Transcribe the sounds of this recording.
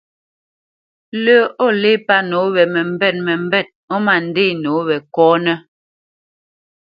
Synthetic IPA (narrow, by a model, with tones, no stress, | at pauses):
lə˦ɔ˦˨le˦pa˦no˨˦βɛ˨mɛ˨m̩˦bɛ˦˨t̚mɛ˨m˦bɛ˦˨t̚ɔ˦ma˨n̩˨de˦˨no˨˦βɛ˨kɔː˦nɛ˦